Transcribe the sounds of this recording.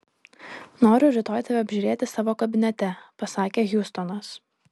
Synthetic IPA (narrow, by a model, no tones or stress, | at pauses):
noːɾʲʊɾʲɪt̪oːjt̪ɐʋʲɛɐbʲʒʲuːɾʲeːt̪ʲɪsɑːʋoːkɐbʲɪnʲɛt̪ʲɛpɐsɑːkʲeːɣʲjʊst̪ɔnɐs